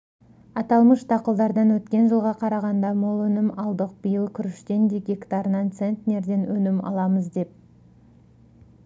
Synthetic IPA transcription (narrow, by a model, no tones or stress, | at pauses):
ɑt̪ɑlˠməʃt̪ʰɑqəlˠd̪ɑɾd̪ɑnwɵt̪kʲe̞nʒəlˠʁɑqʰɑɾɑʁɑnd̪ɑmolˠɵnɪmɑlˠd̪əq̚b̥ijəlˠkʲʰʏɾɪʃt̪e̞nd̪eɡʲekt̪ɑɾnɑnt̪se̞nt̪ʲne̞ɾd̪e̞nwɵnɪmɑ̰lˠɑməzd̪e̞p̚